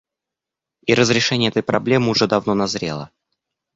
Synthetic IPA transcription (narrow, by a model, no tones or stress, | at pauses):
iɾəzɾʲɪʂɛnʲɪjəɛt̪əjpɾɐblʲe̞mɨʊʐɛd̪ɐvnonɐzɾʲe̞̰lˠə̰